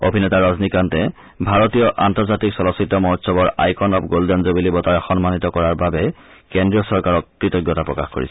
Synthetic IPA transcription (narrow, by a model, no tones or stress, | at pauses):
obʱinɛtaɹaznikantɛ | bʱaɹotijɔʔantɔɹzatiksɔlɔsitːɔmɔɦtsɔbɔɹa̰jkʰɔnɔpɡoldɛnzobilibɔtaɹɛxɔnmanitɔkɔɹaɹbabɛ | kɛndɹiɔsɔɹkaɹɔkːɹitɔɡjɔtapɹɔkaxko̰ɹḭsɛ